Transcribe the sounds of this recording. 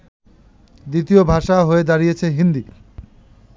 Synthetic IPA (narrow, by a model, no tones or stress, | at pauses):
d̪it̪iobʱaʃaɦoed̪aɾijet͡ɕʰeɦind̪i